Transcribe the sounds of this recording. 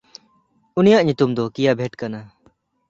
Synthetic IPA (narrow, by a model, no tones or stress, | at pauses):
unijaʔɲut̪umd̪ɔkijabʱeʈkana